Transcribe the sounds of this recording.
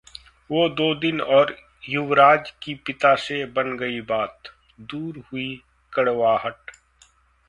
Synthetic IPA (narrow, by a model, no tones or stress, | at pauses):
ʋoːd̪oːd̪ɪnɔːɾ | jʊʋɾaːd͡ʒkipɪt̪asebɐnɡɐibaːt̪ | d̪uːɾɦʊi | kɐɽʋaːɦəʈ